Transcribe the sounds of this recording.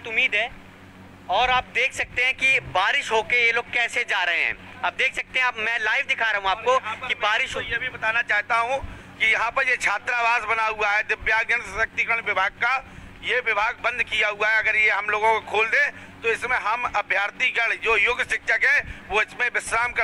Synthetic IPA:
t̪ʊmːiːd̪ɦɛː | ɔːɾaːp̚d̪eːkʰsɐk̚t̪eɦɛ̃kibaːɾɪʃɦoːkejeloːɡ̚kɛːsed͡ʒaːɾɐɦẽɦɛ̰̃ː | aːb̚d̪eːkʰsɐk̚t̪eɦɛ̃aːpmɛ̃ːlaːɪʋd̪ɪkʰaɾɐɦũaːp̚kokibaːɾɪʃojebʱibɐt̪aːnat͡ʃaːɦt̪aɦũ | kijɐɦãpɐɾjet͡ʃʰaːt̪ɾaːʋaːzbɐnaɦuaɦɛd̪ɪbjaːɡnənɐk̚t̪ikəɽ̃ʋɪbʱaːɡ̚ka | jeʋɪbʱaːɡbɐ̃nd̪kijaɦʊaɦɛɐɡəɾjeɦɐmloːɡõkokʰoːld̪ẽ | t̪oɪsmẽɦɐmɐbʱjaːɾt̪iɡɐɽd͡ʒoːjʊɡsɪkʃəkɦɛʋoɪsmẽʋɪsɾaːmk

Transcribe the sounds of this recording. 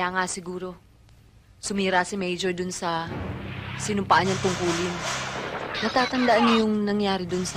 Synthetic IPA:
aŋasɪɡuːɾo̞ | sʊmiːɾasɪmɛjd͡ʒoɹd̪ʊnsɐ | sɪnʊmpaʔaɲːɐŋt̪ʊŋkuːlɪn | nɐt̪aːt̪ɐnd̪aʔanɐjʊŋnɐŋjaːɾɪd̪ʊns

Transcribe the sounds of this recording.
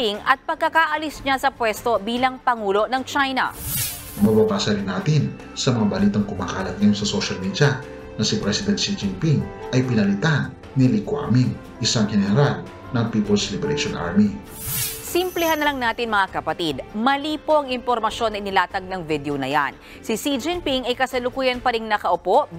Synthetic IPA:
iŋʔɐt̪̚pɐɡ̚kakaʔɐlisɲasɐpwɛst̪o̞biːlɐŋpɐŋuːlo̞nɐŋt͡ʃajnɐ̰ | mɐwɐkaːsɐɾɪnːaːt̪ɪn | sɐmɐŋabɐliːt̪ɐŋkʊmaːkaːlɐt̪̚ŋamsɐsoʃɐlmid̪jɐ | nɐsipɾɛsɪd̪ɛn̚ʃid͡ʒɪmpiŋʔɐjpɪnɐlɪt̪anː | ilɪkwa̰miŋ | ʔɪsaŋhɛnɛɾal | nɐŋpiːpolslɪbɾeʃonʔa̰ɹmi | simplɛhanːɐlɐŋnaːt̪ɪnmɐŋakɐpɐt̪id̪mɐliːpoɐŋɪmpo̞ɾmɐʃjo̞nːɐʔɪnɪlaːt̪ɐɡ̚nɐŋvid̪eownɐja̰n | sisid͡ʒɪnpiŋɐjkɐsɐlʊkuːjɐnpɐɾiŋnɐkɐʔʊpo̞ʔ

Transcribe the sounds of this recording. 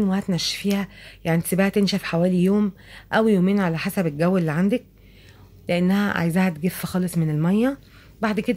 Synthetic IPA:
nwehæt̪næʃːfiːhæjaʕnsibæʔæt̪enʃæfħawæːlijoːm | ʔæwjoːmeːnʕalæħasæbelɡæwːelːiʕand̪ek̚ | leʔenːæhæʕa̰jzæhæt̪ɡefːæxɑːlesˤmenelmɑjːæ | baʕd̪ked̪

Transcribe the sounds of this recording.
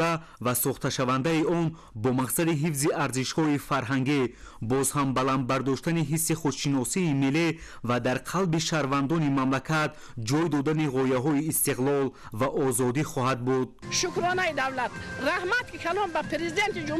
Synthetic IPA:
a | vasɔχt̪aʃavand̪aiɔn | bɔmaqsad̪iɦifziʔaɾziʃhɔifaɾɦaŋɡi | bɔzhambaland̪̚baɾd̪ɔʃt̪aniɦisːiχut̪ʃinɔsiːmeli | vad̪aɾqʰalbiʃaɾvand̪ɔnimamlakʰat̪ | d͡ʒɔjd̪ɔd̪aniʁɔjaɦɔiːst̪iqlˠɔl | vaʔɔzɔd̪iχɔɦad̪̚bud̪̚ʃukɾɔnaid̪avlat̪̚ɾahmat̪̚kikʰalɔnbapʰeɾezid̪ent̪id͡ʒu

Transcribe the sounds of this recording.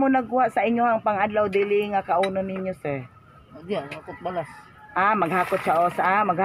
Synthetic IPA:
mʊnɐɡ̚ʊhaʔsaʔɪɲjohaŋpaŋad̪lawd̪ɪlɪŋakaʔuːnʊnɪɲosɛ | aʔakʊt̪̚balas | ʔamɐɡhakʊt̪̚ʃaʔosaʔamɐɡh

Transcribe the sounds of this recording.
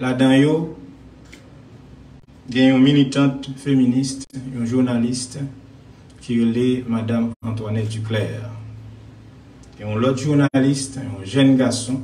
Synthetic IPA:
lad̪ɑ̃jo | ɡɛ̃ɔ̃milit̪ɑ̃t̪feminist̪ɔ̃ʒuʁnalist̪ | kiʁelemad̪amɑ̃t̪wanɛdyklɛːʁ | eɔ̃lɔt̪ʒuʁnalist̪ɔ̃ʒɛnɡaʁsɔ̃

